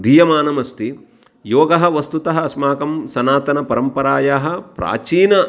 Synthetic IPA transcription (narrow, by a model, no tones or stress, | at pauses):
d̪ijɐmaːnɐmɐst̪i | joːɡɐɦɐ̆ʋɐst̪ut̪ɐɦɐ̆ɐsmaːkɐmsɐnaːt̪ɐnɐpɐɾɐmpɐɾaːjaːɦɐ̆pɾa̰ːt͡ʃiːnɐ